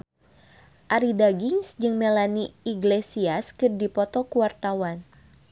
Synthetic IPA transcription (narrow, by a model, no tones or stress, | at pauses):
ʔaɾidaɡiŋsd͡ʒɨŋmelaniiɡlesiaskɨrdipɔt̪ɔkuwart̪awan